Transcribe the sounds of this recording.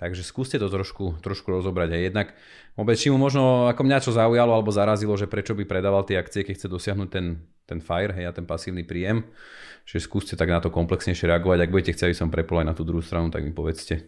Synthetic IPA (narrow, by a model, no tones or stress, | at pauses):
t̪aɡʒɛskuːscɛt̪ɔt̪ɾɔʃkut̪ɾɔʃkuɾɔzɔbɾaɟɦɛjɛd̪nak | ʋɔbɛt͡st͡ʃimumɔʒnɔakɔmɲat͡ʃɔzaujalɔalɛbɔzaɾazilɔʒɛpɾɛt͡ʃɔbipɾɛd̪aːʋalt̪ɪɛakt͡siɛkɛcxt͡sɛd̪ɔsɪaɦnuːc̚t̪ɛn | t̪ɛnfajɾɦɛjat̪ɛnpasiːʊnipɾiːjɛm | t͡ʃiʒɛskuːscɛt̪aɡnat̪ɔkɔmplɛksɲɛjʃɪɛɾɛaɡɔʋaɟaɡ̚buɟɛcɛxt͡sɛabisɔmpɾɛpɔlanat̪uːd̪ɾuɦuːst̪ɾanut̪a̰ɡmipɔʋɛt͡scɛ